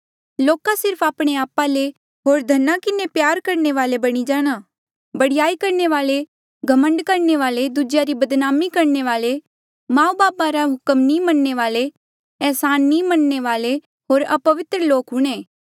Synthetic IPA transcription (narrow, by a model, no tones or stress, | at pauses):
loːkasɪɾpʰaːpɽ̃eaːpale | ɦoːɾd̪ʱɐnːakɪnepjaːɾkɐɾneʋaːlebɐɽ̃id͡ʒaːɽ̃a | bɐɽɪjaːikɐɾneʋaːle | ɡʱɐmə̃ɳɖkɐɾneʋaːled̪ud͡ʒjaɾibɐd̪naːmikɐɾneʋaːle | mãːubaːpaɾaɦʊkəmnimɐnːeʋaːle | ɛːsaːnːimɐnːeʋaːle | ɦoːɾɐpɐʋɪt̪ɾəloːkɦʊɽ̃eː